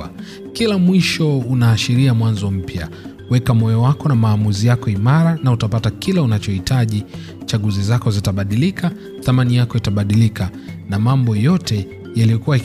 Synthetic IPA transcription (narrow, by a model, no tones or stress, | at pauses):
kilamwiʃɔunaːʃiɾiamwanzɔm̩pja | wɛkamɔjɔwakɔnamaːmuzijakɔimaɾanautapatakilaunat͡ʃɔhitʰaʄi | t͡ʃaɠuzizakɔzitaɓaɗilika | θamanijakɔitaɓaɗilikanamambɔjɔtʰɛ | jaliɔkuwa